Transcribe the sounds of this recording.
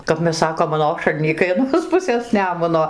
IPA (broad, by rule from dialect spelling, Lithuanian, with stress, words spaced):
kɐp ˈmʲɛs ˈsɑːkoːm ɐˈnoːʃɐlʲnʲiːkɐɪ ɐˈnoːs ˈpʊsʲeːs ˈnʲæːmʊnoː